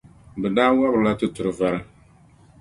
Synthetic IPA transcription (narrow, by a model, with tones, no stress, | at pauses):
bɨ˨daː˦wa˦bla˦tʊ˨tʊ˨ɾɨ˨va˨ɾɨ˦